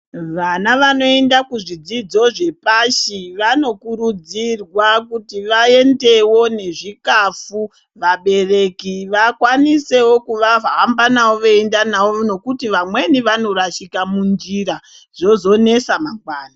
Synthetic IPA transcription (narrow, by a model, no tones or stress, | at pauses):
ʋanaʋano̞e̞ndakuʐid͡zid͡zo̞ʐe̞paʃiʋano̞kuɾud͡zirwakutiʋae̞nde̞wo̞ne̞ʐikafu | ʋaɓe̞re̞kiʋakwanise̞wo̞kuʋaɦambanawoʋeendanaoono̞kutiʋamwe̞niʋano̞ɾaʃikamund͡ʒiɾa | ʐ̥o̞zo̞ne̞samaŋɡwaːna